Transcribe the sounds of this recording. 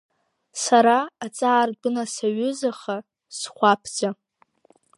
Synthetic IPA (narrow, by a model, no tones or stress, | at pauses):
saɾaːt͡sʼaːrdɨnasaɥʏzaχa | sχʷapʰd͡za